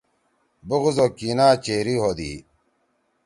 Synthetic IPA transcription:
buɣzokinaːt͡ɕeːɾiɦod̪ḭ

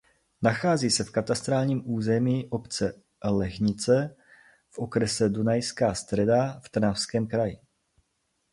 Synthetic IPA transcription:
naxaːziːsɛfkat̪ast̪ɾaːlɲiːmʔuːzɛmiːʔo̞pt͡sɛ | lɛxɲɪt͡sɛ | fʔokɾɛsɛdunajskaːst̪rɛdaft̪rnafskɛːmkɾajɪ̰

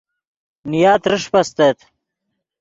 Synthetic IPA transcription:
nijaːt̪ɾəʂpɐst̪et̪

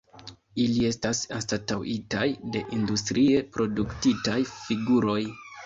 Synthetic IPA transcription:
ilie̞stasanstatawʔitajde̞ʔindustɾʔie̞pɾo̞duktitajfiɡuɾo̞j

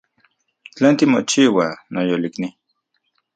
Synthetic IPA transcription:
t͡ɬeːnt̪imot͡ʃiwanojolikni

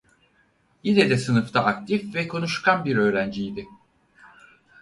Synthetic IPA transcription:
jinɛd̪ɛsɯnɯft̪aʔːkt̪ʰifvɛkʰo̞nuʃkʰanbiɾø̞ːɾænd͡ʒijd̪ɪ

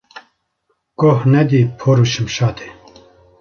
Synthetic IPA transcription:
kohnɛd̪iːpʰoɾuʃɨmʃaːt̪ʰe̥

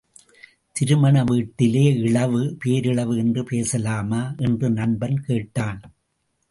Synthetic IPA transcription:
t̪ɪɾɯmɐɳɐʋiːʈːɪleːɪɭɐʋɯpeːɾɪɭɐʋɯɛndrɯpeːsɐlaːmaːʔɛndrɯnɐnbɐnkeːʈːaːn

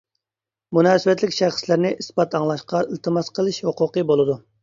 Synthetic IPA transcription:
munɑːsɪbɛt̪lɪkʲʃæχslɪɾnɪʔisbɑt̪ʰɑŋlˠɑʃqɑilt̪ʰɨmɑsqʰəlˠɨʃhoqʊqəbolˠɨd̪u

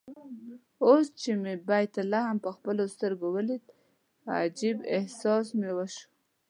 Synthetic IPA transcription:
ost͡ʃemebajt̪alahampəxpəlost̪əɾɡowəlid̪ | a̰d͡ʒibehsɑsmewəʃu̥

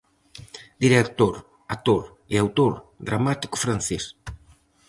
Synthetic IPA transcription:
d̪̥iɾekt̪oɾ | at̪oɾ | eawt̪oɾd̪ɾamat̪i̥kʊ̥fɾanθes

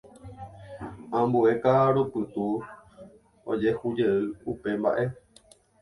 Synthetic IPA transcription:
ãmbue̞kaɾopɨt̪u | o̰d͡ʒe̞hud͡ʒe̞ɨupe̞mba̰ʔe̞

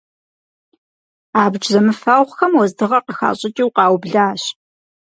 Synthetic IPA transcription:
aːbd͡ʒʼzɐmɨfaːwχʷxɐmwɔzdɨʁɐqəxa̰ːɕʼɪtʼiwqɑːwbɮaːɕ

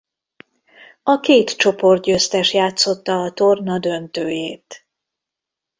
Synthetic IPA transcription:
ɒkeːt̪t͡ʃo̞po̞rt̪̚ɟøst̪ɛʃjaːt̪so̞t̪ːɒːt̪o̞rnɒd̪ø̞nt̪øːjeːt̪

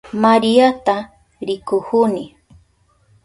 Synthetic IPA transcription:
maɾijat̪a | ɾɪkʊhʊnɪ

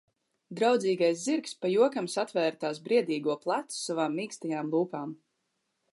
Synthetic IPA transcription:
d̪ɾawd̪ziːɡajsziɾkspajuɔkamsat̪vɛːɾt̪aːsbɾiɛd̪iːɡuɔplˠat̪su̥savaːmːiːkst̪ajaːmbuːpaːm

